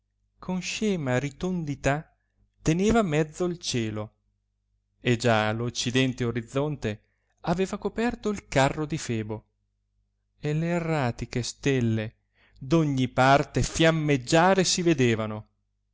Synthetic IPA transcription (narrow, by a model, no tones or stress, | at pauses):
kʰonʃɛːmaɾit̪ond̪it̪a | t̪ːeneːvamɛd̪zːoilt͡ʃɛːlo | ed͡ʒalot͡ʃːid̪ɛnt̪eoɾid̪zːont̪e | aveːvakopɛrt̪oilkarːod̪ifɛːbo | eleːrːaːt̪ikest̪ɛlːe | d̪oɲːipart̪efjamːed͡ʒːaːɾesived̪eːvano